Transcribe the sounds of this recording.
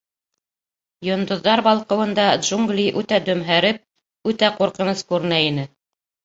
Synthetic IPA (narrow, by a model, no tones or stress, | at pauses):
jŏnd̪ŏðːɑɾbɑlˠqɤ̆wɤ̆nd̪ɑd̪ʒuŋɡlʲiʔʉt̪æd̪ɵ̆mɦæɾɘp̚ | ʉt̪æquɾqɤ̆nɤskʉɾɘ̆næinɘ